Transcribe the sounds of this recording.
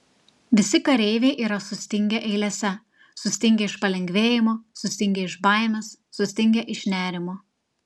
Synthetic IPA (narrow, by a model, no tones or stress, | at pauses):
ʋʲɪsʲɪkɐɾʲɛɪʋʲeːʔiːɾɐsʊsʲt̪ʲɪŋʲɡʲɛʔɛɪlʲɛsʲɛ | sʊsʲt̪ʲɪŋʲɡʲɛɪʃpɐlʲɛŋʲɡʲʋʲeːjɪmoːsʊsʲt̪ʲɪŋʲɡʲɛɪʃbɐˑɪmʲɛsːʊsʲt̪ʲɪŋʲɡʲɛʔɪʃnʲæːɾʲɪmoː